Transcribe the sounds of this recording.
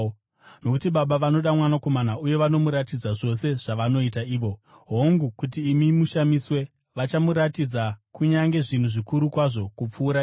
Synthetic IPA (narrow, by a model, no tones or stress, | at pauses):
no̞kutiɓaɓaʋano̞ɗamwanako̞manauje̞ʋano̞muɾatid͡zaʐo̞se̞ʐ̥aʋano̞itaiːʋo̞ | ɦoŋɡukut̬iːmimuʃamiswe̞ | ʋat͡ʃamuɾatid͡zakuɲaŋɡe̞ʐin̤uʐikuɾukwaʐo̞kup͡fuːɾa